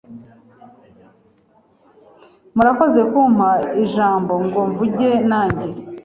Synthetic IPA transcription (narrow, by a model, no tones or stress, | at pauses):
muɾako̞ze̞kumhaiʒaːmbo̞ŋɡoɱvuɟe̞naːɲɟe